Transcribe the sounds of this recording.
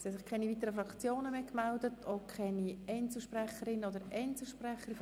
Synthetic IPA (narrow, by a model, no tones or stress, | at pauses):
sɛsɪχkʰɛniviːtəɾəfɾɑkt͡sjoːnəmeːkmɛldətʰokʰχɛniɛɪnt͡sl̩ʃprɛχəɾɪnodəɾʔɛɪnt͡sl̩ˠʃpɾrɛχəɾ